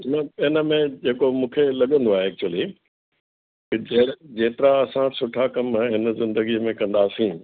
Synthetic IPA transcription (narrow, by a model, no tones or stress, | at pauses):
nɐɪnə̆mẽd͡ʑeːkomũːkʰelɐɠə̃nd̪oaːɦeːk̚t͡ɕʊəli | kɪd͡ʑed͡ʑeːt̪ɪɾaɐsãsʊʈʰakɐm̃ɦɪnəzɪ̃nd̪əɡiəmẽkɐ̃nd̪aːsĩː